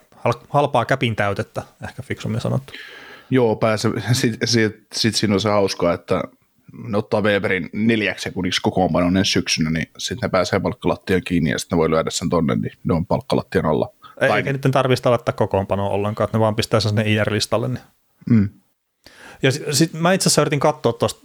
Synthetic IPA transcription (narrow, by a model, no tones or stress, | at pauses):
hɑlhɑlpɑːkæpint̪æyt̪et̪ːæehkæfiksumiesɑ̰no̰t̪ːujoːpæːsesit̪sit̪sit̪siːnolsehɑuskɑet̪ːæ | neot̪ːɑːʋeːperinneljæksekunikskokoːmpɑnonensyksynænisit̪nepæːseːpɑlkːɑlɑt̪ːieŋkiːnːḭjɑ̰si̥t̪neʋoilyædæssent̪onːḛnnineoimpɑlkːɑlɑ̰t̪ːiɑno̰lːɑ̰eɑieikænit̪ːent̪ɑrʋist̪ɑlɑt̪ːæːkokoːmpɑnoːʔo̰lːeŋkɑːet̪neʋɑːmpist̪æːssinːeiːærlist̪ɑlːenni | m̩ː | jɑssit̪mæit̪sesːæøyrit̪iŋkɑt̪ːoːt̪t̪ːost̪